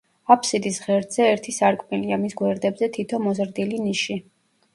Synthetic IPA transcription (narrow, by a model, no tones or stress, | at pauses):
apʰsid̪isʁɛɾd̪z̥ɛɛɾt̪ʰisaɾkʼmiliamisɡwɛɾd̪ɛbzɛt̪ʰit̪ʰɔmɔzɾd̪iliniʃi